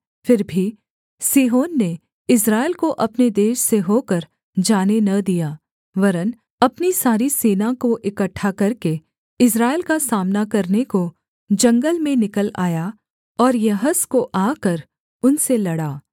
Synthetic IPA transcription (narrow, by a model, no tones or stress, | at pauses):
fɪɾbʱi | siːɦoːnːe | ɪs̬ɾaːɪlkoʔɐpned̪eːʃseɦoːkɐɾ | d͡ʒaːnenɐd̪ijaː | ʋɐɾən | ɐpnisaːɾiseːnãkoʔɪkəʈʰːakɐɾke | ɪs̬ɾaːɪlkasaːmnakɐɾneko | d͡ʒɐ̃ŋɡəlmẽnɪkəla̰ːja | ɔːɾjɐɦəskoʔaːkɐɾ | ʊnselɐɽaː